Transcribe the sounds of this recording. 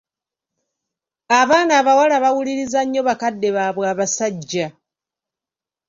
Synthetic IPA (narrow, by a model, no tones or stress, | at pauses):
aβaːnaːβawalaβawuliɾizaɲːo̞βakadːe̞βaβwaːβasaɟːa